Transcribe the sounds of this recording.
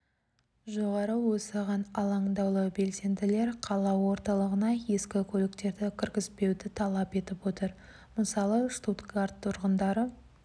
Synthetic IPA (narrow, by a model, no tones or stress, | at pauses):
ʒo̞ʁɑɾəwosɑʁɑnɑlˠɑŋd̪ɑwlˠəbe̞lse̞nd̪ɪle̞ɾqʰɑlˠɑwo̞ɾt̪ɑlˠəʁənɑje̞skʲɪkʲʰɵlɪkt̪e̞ɾd̪ɪkʲʰɪɾɡʲɪzpe̞wd̪ɪt̪ʰɑlˠɑpe̞t̪ɪpwot̪əɾ | məsɑlˠəʂt̪ut̪kaɾt̪ʰːʊɾʁənd̪ɑɾə